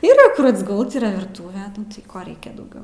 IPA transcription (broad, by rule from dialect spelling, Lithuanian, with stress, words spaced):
ˈiːrɐ ˈkʊr ɐdzɡʊlˠt ˈiːrɐ ʋʲɪrˈtuːʋʲɛ ˈnʊ tɐɪ ˈkoː ˈrʲɛɪkʲɛ dɐʊˈɡʲɛʊ